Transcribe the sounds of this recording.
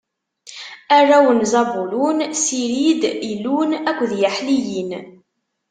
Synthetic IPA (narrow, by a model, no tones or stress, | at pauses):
ærˤːæwənzɑbulunsiɾid̪ilːunækʷːðjaħlijin